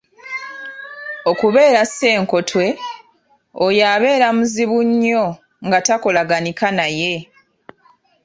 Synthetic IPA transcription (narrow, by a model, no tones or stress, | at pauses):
o̞kuβe̞ːɾase̞ːŋko̞tʰwe̞ | ojaβe̞ːɾamuziβuɲːo̞ | ŋɡatako̞laɡanikanaje̞